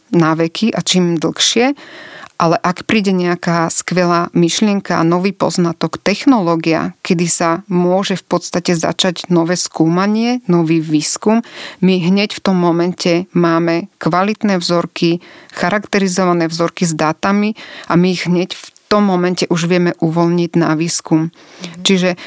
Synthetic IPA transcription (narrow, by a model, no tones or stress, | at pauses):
naːʋɛkʰiʔat͡ʃiːmd̪l̩xʃɪɛʔalɛʔakpɾiːɟɛɲɛakaːskʋɛlaːmiʃlɪɛŋkaanɔʋiːpɔ̰znat̪ɔkt̪ɛxnɔlɔːɡia̰kɛd̪isamʊɔʒɛfpɔt̪st̪acɛza̰t͡ʃaɟnɔʋɛːskuːmaɲɪɛnɔʋiːʋiːskumːiɦɲɛcft̪ɔmːɔmɛncʰɛmaːmɛkʋalit̪nɛːvzɔɾkʰixaɾakt̪ɛɾizɔʋanɛːvzɔɾkizd̪aːt̪amiʔamiɣɦɲɛcft̪ɔmːɔmɛncɛʔuʒʋɪɛmɛʔuʋɔlɲiɟnaʋiːskum | t͡ʃiʒɛ